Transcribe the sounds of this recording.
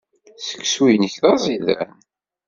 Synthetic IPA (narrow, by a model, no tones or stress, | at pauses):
sə̥kːswijniçðɑzˤiðæ̰n